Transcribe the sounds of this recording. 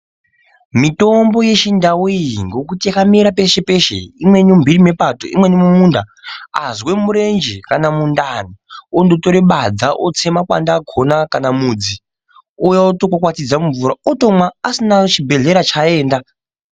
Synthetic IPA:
mito̞mbo̞je̞ʃindawŋɡo̞kutijakamiɾape̞ʃe̞pe̞ʃḛimwe̞numbʱirime̞pato̰ʔḭmwe̞nimumuːndaa̰zwe̞muɾe̞nd͡ʒekanamundaniondotoɾeɓad͡zaʔot͡se̞makwa̰ndaɡʱo̞nakanamuːd͡zi | ojaotokwakwatid͡zauɱvuɾaoto̞mwaːsinat͡ʃibʱe̞ɮe̞ɾat͡ʃae̞ːnda

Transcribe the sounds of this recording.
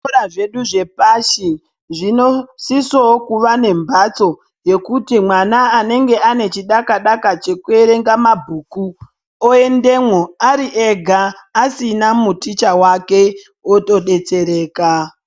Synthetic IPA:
ɾaʐe̞ɗuʐe̞paʃi | ʐinosisokuʋane̞mbat͡so̞ | je̞kutimwanaːne̞ŋɡe̞ane̞t͡ʃiɗakaɗakat͡ʃe̞kue̞ɾe̞ŋɡamabʱuːku | oe̞nde̞mwoaɾiʔeɡʱaː | sinamutit͡ʃawake̞ | oto̞ɗe̞t͡se̞ɾe̞ːka

